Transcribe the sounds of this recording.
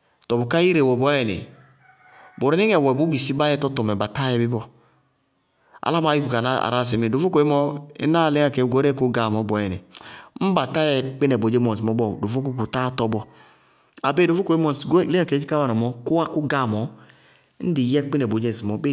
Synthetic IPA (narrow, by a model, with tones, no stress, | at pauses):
tɔ˨bɔ˨ka˦i˦ɾe˨wɔ˨bɔ˨˦ɛ˨nḛ˨ | bo˨ɾi˨˦ni˦ŋɛ˨wɛ˨bu˨˦bi˨si˦ba˦jɛ˦tɔ˦tɔ˨mɛ˨ba˨ta˦jɛ˨bi˦bɔ˦ | a̰˨la˦m˦a˦ji˦ku˨ka˨na˦a̰˨ɾa˦˨s̬ɛ˨me˨do˨fo˦ko˨i˦mɔ˦ḛ˦na˦˨le˦ŋa˨kɛ˨˦ɡo˦ɾɛ˦ko˦ɡa˨mɔ˨˦bɔ˨˦jɛ˨nɛ̰˨m̩˦ba˨ta˦jɛ˨k͡pi˦nɛ˨bo˨d͡ʒe˦mɔ˨si˨mɔ˨˦bɔ˨do˨fo˦k̬u˦ku˨ta˦tɔ˨˦bɔ˨ | a˨be˦do˨fo˦ko˨e˦mɔ˨sɡle˦a˨ke˨˦d͡ʒi˦ka˦wa˦˨nɔ˨mɔ˦ku˦wa˦ku˦ɡa˨mɔ˨˦ | n̩˦di˨jɛ˦k͡pi˦nɛ˨bo˨d͡ʒɛ˦˨si˨mɔ˨˦be˦